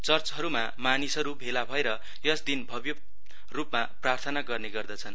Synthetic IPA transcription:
t͡sʌrt͡sɦʌɾuma | manisɦʌɾubʱelabʱʌeɾʌ | jʌsd̪inbʱʌbjʌ | rupmaprart̪ʰʌnaɡʌrneɡʌrd̪ʌt͡sʰʌn

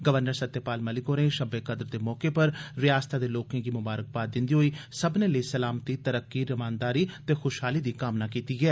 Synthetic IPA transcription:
ɡəʋəɾnəɾsət̪ːeːpaːlməlɪkoːnẽʃəbeːkəd̪əɾd̪eːmɔːkepəɾʋɪjaːst̪aːd̪eːloːkẽːɡiːmʊbaːɾək̚baːt̪̚d̪ɪ̃nd̪iːɦoiːsəbneləiːsəlaːmt̪iːt̪əɾəkːiːɾəmaːnd̪aːɾiːt̪eːxʊʃɦaːliːd̪iːkaːmnaːkiːt̪iːɡɛː

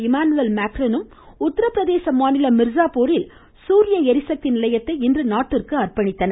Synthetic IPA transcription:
ɪmaːnɯʋɐlmaːkɾɐnɯm | ʊt̪ːɐɾɐpːɾɐðeːsɐmaːnɪlɐmɪɾzaːpoːɾɪl | suːɾɪjɐɛɾɪsɐk̚t̪ɪnɪlɐjɐt̪ːɐɪɪndrɯnaːʈːɪrkɯɐrpɐɳɪt̪ːɐnɐ

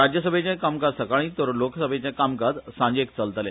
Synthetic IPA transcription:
ɾad͡ʑjəs̬əbʱet͡ɕãkamkad͡zsəkaɭ̃ĩt̪əɾlokʰsəbʱet͡ɕãkamkad͡z̪sãɲd͡ʑek̚t͡səlt̪əlḛ̃

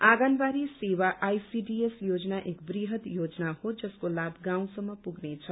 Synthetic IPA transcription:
aɡanbaɾisewaʔajsiɖiesjod͡znaʔekbriɦʌt̪jod͡znahod͡zʌskolabɡãw̃sʌmːʌpuɡnet͡sʰʌ

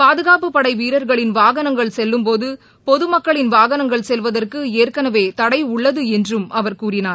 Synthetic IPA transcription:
paːðɯɣaːpɯpːɐɽɐɪʋiːɾɐɾɣɐɭɪnʋaːɣɐnɐŋɡɐɭsɛlːɯmpoːðɯ | pɔðɯmɐkːɐɭɪnʋaːɣɐnɐŋɡɐɭsɛlʋɐðɐrkɯeːrkɐnɐʋeːt̪ɐɽɐɪʊɭːɐðɯɛndrɯmʔɐʋɐɾkuːrɪnaːɾ

